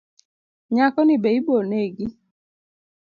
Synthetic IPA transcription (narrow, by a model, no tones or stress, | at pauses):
ɲakɔnibeiboneɡi